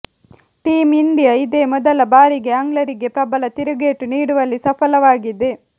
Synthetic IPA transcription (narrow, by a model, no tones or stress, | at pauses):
ʈiːmiɳɖijɐid̪eːmɔd̪ɐlɐbaːɾiɡe̞ɐŋɡlɐɾiɡe̞pɾɐbɐlɐt̪iɾuɡeːʈːuniːɽuʋɐlːisɐpʰɐlɐʋaːɡid̪e